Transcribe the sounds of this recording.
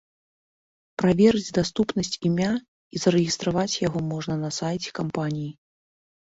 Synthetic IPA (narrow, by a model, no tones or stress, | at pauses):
pɾavʲɛɾɨd͡zʲd̪ast̪upnɐsʲt͡sʲimʲa | izɐɾɨɣʲist̪ɾavat͡sʲjaɣɔmɔʐnɐnɐsajt͡sʲɛ̥kampanʲiji